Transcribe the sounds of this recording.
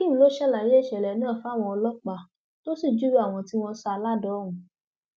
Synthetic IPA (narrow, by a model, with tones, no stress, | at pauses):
ki˦nũ˦lo˦ʃɛ˦la˨ɾi˦e˦˨ʃɛ˨lɛ˨˦nãː˦˨fa˦˨w̃ɔ̃˧ɔ˧lɔ˦k͡pa˨ | to˦si˦˨d͡ʒu˦ɾu˦a˦˨w̃ɔ̃˧ti˦w̃ɔ̃˧sa˧la˦dɔ˨˦ũ˨